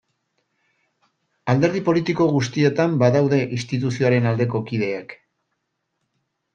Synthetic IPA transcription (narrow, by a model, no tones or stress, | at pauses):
ald̪e̞ɾð̞ipo̞lit̪iko̞ɣ̞ust̪ie̞t̪ambaðawðe̞ʔist̪it̪̬usio̞aɾe̞nald̪e̞ko̞kið̞e̞ak